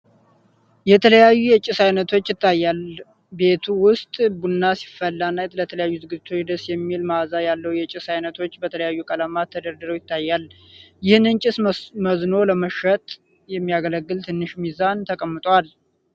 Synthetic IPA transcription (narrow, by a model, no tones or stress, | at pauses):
jɛt̪ʰələjajːujɛt͡ʃʼɪsajnət̪ʰo̞t͡ʃːjɪt̪ʰːajːal | be̞t̪ʰuwʊst̪ʼbunːasi̥fːəlːanːaɛt̪lət̪ʰələjajːuzɨɡɨd͡ʒːɪt̪ʰo̞t͡ʃd̪əsjɛmːilmazajalːəwjɛt͡ʃʼɪsajnət̪ʰo̞t͡ʃːbət̪ʰələjajːukʼələmat̪ʰːəd̪əɾd̪ɨɾojɪt̪ʰːajːal | jɪhnɨnt͡ʃʼɪsməzno̞ləməʃət̪ʼ | jɛmːijaɡələɡːɨlt̪ʰɨnːɨʃmizant̪ʰəkʼəmːɨt̪ʼwal